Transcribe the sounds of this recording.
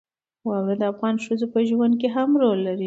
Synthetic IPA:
wawed̪əafɣɑnʃəzopəʒwand̪̚k̬eɦamɾolːaɾi

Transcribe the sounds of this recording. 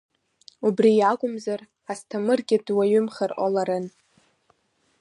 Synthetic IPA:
ubrijaɡʷʼʊmzar | astʰamɨrɡʲɪdwaɥʏmχarʔalaɾɨn

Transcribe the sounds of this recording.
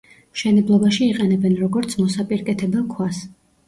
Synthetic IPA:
mʃɛnɛblˠɔbaʃiːqʼɛnɛbɛnɾɔɡɔɾt̪sʰmɔsapʼiɾkʼɛt̪ʰɛbakʰwas

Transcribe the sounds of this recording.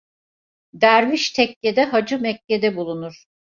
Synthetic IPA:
d̪æɾviʃt̪ʰɛkːe̞d̪ɛɦad͡ʒɯmɛkːed̪ɛbulˠunuɾ̥

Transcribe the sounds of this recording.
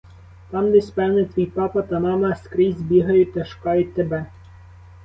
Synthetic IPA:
t̪ɑmd̪ɛsʲpɛwnɪt̪ʋʲijpɑpɐt̪ɐmɑmɐskɾɪzʲbʲiɦɐjʊt̚ʲt̪ɐʃʊ̥kɑjʊt̚ʲt̪ːebɛ

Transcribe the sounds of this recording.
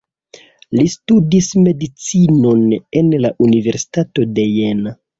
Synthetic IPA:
listudisme̞dit͡sino̞nenlaʔunive̞ɾsi̥tato̞de̞jena

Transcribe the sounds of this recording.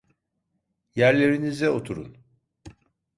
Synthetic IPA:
jæɾlʲe̞ɾinizɛot̪ʰuɾṵn

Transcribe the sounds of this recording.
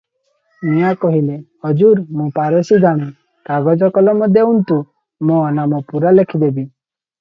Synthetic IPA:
miakɔɦilehɔd͡ʒuɾmũpaɾɔsid̪ʱaɽ̃i | kaɡɔd͡ʒɔkɔlɔmɔd̪ʱjɔunt̪u | mɔ̃namɔpuɾalekʰid̪ebi

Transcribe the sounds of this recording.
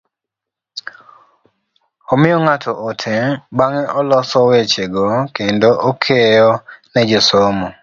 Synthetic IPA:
omɪɔŋatʰɔʔotʰɛbaŋɛʔɔlɔsɔwet͡ʃeɡokendoʔokʰejɔnɛd͡ʒɔsomɔ

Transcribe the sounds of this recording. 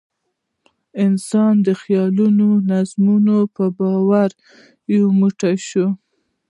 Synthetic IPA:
ɪnsɑnd̪əxjɑlunonazmunopəbɑwaɾ | jowmuʈaʃo

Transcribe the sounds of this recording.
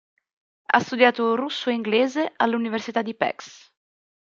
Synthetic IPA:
a̰st̪ud̪jaːt̪orusːoiŋɡleːzeʔalːuniversit̪ad̪ːipɛ̰ks

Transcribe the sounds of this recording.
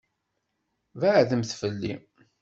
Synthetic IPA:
vaʕðəmθfəlːḭ

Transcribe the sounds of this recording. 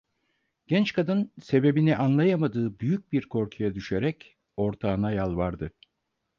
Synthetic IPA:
ɟ̥ɛnt͡ʃkʰad̪ɯnse̞be̞biniʔanlˠajamad̪ɯːbyjyc̚biɾkʰo̞ɾkʰujad̪yʃe̞ɾɛc | o̞ɾt̪ʰaːnajalˠvaɾd̪ɯ

